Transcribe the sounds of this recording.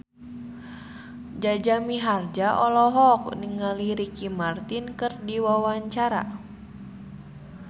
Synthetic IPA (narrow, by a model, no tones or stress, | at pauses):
d͡ʒad͡ʒamiɦard͡ʒaʔɔlɔɦɔk̚niŋaliɾikimart̪inkɨrdiwawaɲt͡ʃaɾa̰